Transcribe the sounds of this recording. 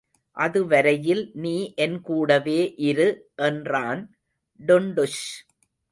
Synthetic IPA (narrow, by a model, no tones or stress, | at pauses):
ʔɐðɯʋɐɾɐjɪlniːʔɛnkuːɽɐʋeːʔɪɾɯʔɛndraːn | ɖʊɳɖɯʂ